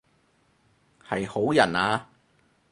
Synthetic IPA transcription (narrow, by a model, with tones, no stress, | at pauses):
hɐ˨jho˨˥wjɐ̰˨˩naː˧